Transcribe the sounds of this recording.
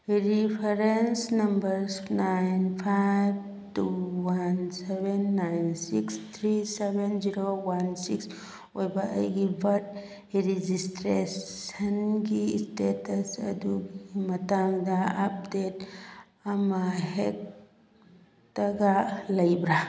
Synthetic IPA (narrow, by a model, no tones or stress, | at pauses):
ɾipʰeɾensnɐmbəɾsnajnpʰajb | tuwansebenːajnsikst̪ʰɾisebenziɾowansiks | ojbaʔə̰jɡibəʈ̚ | ɾid͡ʒistɾeənɡistetəsɐ̰d̪uɡimɐt̪aŋd̪aap̚det | amaɦet̚ | əɡaləjbɾa